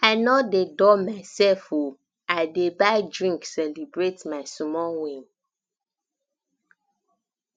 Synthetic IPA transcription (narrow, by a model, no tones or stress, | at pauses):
aɪnɔdedɔmaɪsɛfo | aɪdebaɪdɹĩŋksɛlibɹetmaɪsɔmɔwẽn